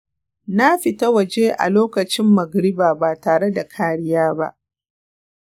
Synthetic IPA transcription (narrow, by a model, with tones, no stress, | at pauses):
na˦ɸɪ˨ta˦wɐ˨d͡ʒeː˦ʔa̰˨loː˦kɐ˨t͡ʃɪ˦mːɐ˨ɡɾɪ˦baː˨baː˨taː˨ɽe˦da˨kʰaː˦ɽɪ˦jaː˦ba̰˦ʔ